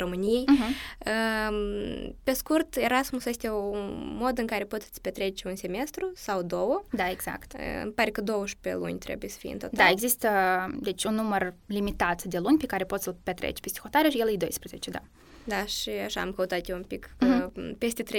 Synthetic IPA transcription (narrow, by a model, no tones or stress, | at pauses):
ro̞mɨnijejɦə | pe̞skurt̪e̞ɾasmusje̞st̪ʲeuumo̞d̪ɨŋkaɾe̞pot̪t̪sʲpʲet̪ɾe̞t͡ʃʲunse̞me̞st̪ɾusawd̪o̞wəd̪aeɡz̥a̰kt̪ə̰ɨ̰mpaɾekəd̪o̞wəʃpḛlṵnʲt̪ɾe̞̰bujesə̥fijḛnot̪d̪aeɡzist̪əd̪e̞t͡ʃʲunːumərlimit̪at̪d̪e̞lunʲpekaɾepo̞t̪səlpʲet̪ɾḛt͡ʃʲpest̪i̥xot̪aɾeaʃijelɨjd̪o̞jspɾezḛt͡ʃed̪a̰ | d̪aʃiaʃa̰a̰mkəut̪at̪jeumpik | pest̪ʲet̪ɾe